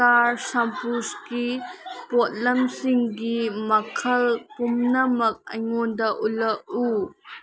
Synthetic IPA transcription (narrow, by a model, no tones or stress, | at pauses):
aɾsɐmpuskipɔt̚lɐmsiŋɡimɐkʰɐlpumnɐmɐk̚ɐ̰jŋɔnd̪ɐʔulɐʔu